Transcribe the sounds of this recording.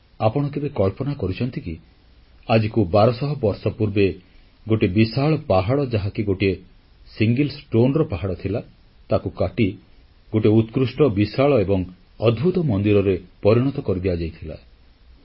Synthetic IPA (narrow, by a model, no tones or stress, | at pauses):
apɔɽ̃ɔk̪ebekɔɭpɔnakɔɾit͡ʃʰɔnt̪iki | ad͡ʒikubaɾɔsɔɦɔbɔɾsɔpuɾbe | ɡoʈibisaɭɔpaɦaɽɔd͡ʒaɦakiɡoʈie | siŋɡelsʈonɾɔpaɦaɽɔt̪ʰila | t̪akukaʈi | ɡoʈiut̪kɾusʈɔbisaɭɔebɔŋ | ɔd̪bʱut̪ɔmɔnd̪iɾɔɾepɔɾiɽ̃ɔt̪ɔkɔɾid̪ibad͡ʒajt̪ʰila̰